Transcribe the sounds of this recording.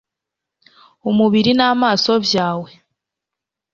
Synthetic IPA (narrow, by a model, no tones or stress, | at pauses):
umuβiɾinaːmaːso̞bjaːwe̞